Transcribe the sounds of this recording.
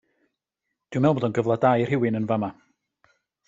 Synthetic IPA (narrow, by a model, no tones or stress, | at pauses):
d̥iwmɛlˠbɔdɔnɡəvlˠadajrhɪwɨnənvama